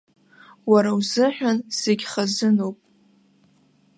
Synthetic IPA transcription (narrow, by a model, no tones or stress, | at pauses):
waɾawzɨħʷᶣanz̥eɡʲχazɨnowpʼ